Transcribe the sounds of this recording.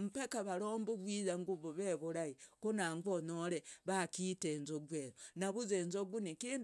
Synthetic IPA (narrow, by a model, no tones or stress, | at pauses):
mupekaβaɾoːmbuβwiːzaŋɡuβoβeβuɾaikonaŋɡonoɾeβakiteːnzoɡweɾonaβuzeːnzoɡunikin